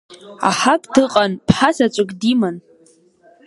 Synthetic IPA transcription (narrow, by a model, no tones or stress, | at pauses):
a̰ħakʼdɨqʼanpʰħasat͡ʃʷʼɨkʼdiman